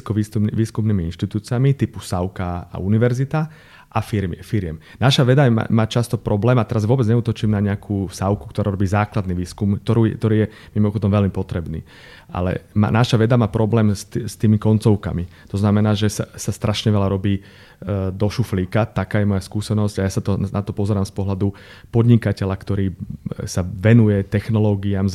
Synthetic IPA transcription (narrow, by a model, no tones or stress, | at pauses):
kɔʋiːsuʋiːskumniːmiinʃt̪it̪uːt͡siamit̪ipusaʊkaa̰uniʋɛɾzit̪a | ʔafiɾmfiɾɪɛm | naʃaʋɛd̪ama̰maːt͡ʃast̪ɔpɾɔblɛːmat̪ɛɾazʋʊɔbɛd͡zɲɛuːt̪ɔt͡ʃiːmnaɲɛakʰuːsaʊku̥kt̪ɔɾaːɾɔbiːzaːklad̪niːʋiːskumk̚t̪ɔɾuːjɛkt̪ɔɾiːjɛ | mimɔxɔd̪ɔmʋɛlmipɔt̪ɾɛbnḭː | ʔa̰lɛ̰ma̰naʃaʋɛd̪amaːpɾɔblɛːmst̪st̪iːmikɔnt͡sɔʊka̰mi | t̪ɔznamɛnaːʒɛsasast̪ɾʔaʃɲɛʋɛlaɾɔbiː | d̪ɔʃufliːkat̪akaːjɛmɔjaskuːsɛnɔsɟajasat̪ɔnat̪ɔpɔzɛɾaːmspɔɦlad̪u | pɔd̪ɲikacɛʎakt̪ɔɾiːsaʋɛnujɛt̪ɛxnɔlɔɡiamz